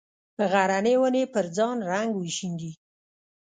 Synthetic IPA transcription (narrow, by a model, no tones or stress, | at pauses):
p̪əɣaɾanewənepəɾd͡zɑnɾaŋɡwiʃiŋɡi